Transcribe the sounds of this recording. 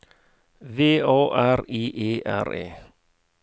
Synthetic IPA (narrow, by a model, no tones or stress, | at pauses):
veːʔoːʔæɾiːʔeːʔæ̰ɾḛː